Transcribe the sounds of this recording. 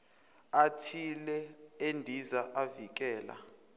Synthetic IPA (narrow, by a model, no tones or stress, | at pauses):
atʰilɛ | endʱizaʔavik̬ʼɛːla̰